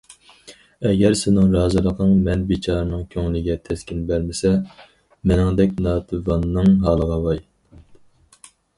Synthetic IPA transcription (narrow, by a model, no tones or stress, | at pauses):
ɛɡʲɛɾsɪnɪŋɾɑːzɨlˠəqʰəŋmɛnbet͡ʃʰɑːɾɨnɨŋkʲʰøŋlɪɡʲɛt̪ʰɛskʲinbæɾmɪsɛ | mɪnɪŋd̪ɛkʲnɑːt̪ʰɨvɑnːɨŋɦɑːlˠəʁɑvɑj